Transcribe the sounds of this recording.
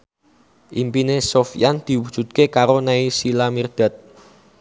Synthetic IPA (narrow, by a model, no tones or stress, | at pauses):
ʔimpinesofijand̪̥i̤wud̥ʒ̥ṳt̪̚kekaɾonaisilamird̪̥a̤t̪̚